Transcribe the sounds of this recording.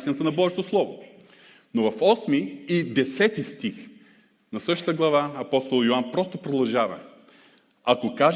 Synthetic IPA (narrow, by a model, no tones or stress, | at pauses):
sɛnɛt̪ənɐbɔʒit̪oslˠɔvo̰ | novɐfɔsmiid̪ɛsɛt̪ist̪ix | nɐsɤʃt̪t̪əɡlˠɐvaɐpɔst̪olˠjoanpɾɔst̪opɾod̪ɐlˠʒavɐ | ɐkokaʒ